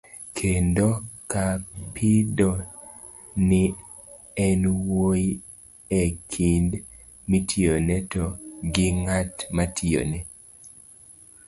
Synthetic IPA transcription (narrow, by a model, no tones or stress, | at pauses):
kʰendokapʰido | nɪ | ɛnwoji | ekʰind | mitʰionɛtoɡɪŋatmatʰɪo̰nɛ